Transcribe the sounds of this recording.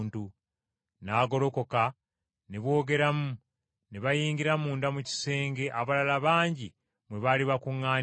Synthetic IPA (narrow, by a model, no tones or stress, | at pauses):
ntu | naːɡo̞lo̞ko̞ka | neβwo̞ːɡe̞ɾamu | neβajiːɲɡiɾamuːndamuci̥se̞ːŋɡe̞ʔaβalalaβaːɲɟi | mwe̞βaliβakuŋːaː